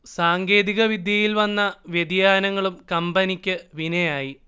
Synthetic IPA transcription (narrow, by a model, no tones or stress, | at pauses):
saːŋɡe̞ːðiɣɐʋid̪jɐjilʋɐnːɐʋjed̪jaːnɐŋːɐɭumkɐmbɐnikʲːɨʋinɐjaːji